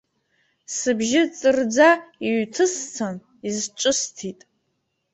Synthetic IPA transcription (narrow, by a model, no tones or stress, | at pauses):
sɨbʒɪt͡sʼɨrd͡zaiɥtʰɨst͡sʰan | izt͡ʃʷʼɨstʰitʼ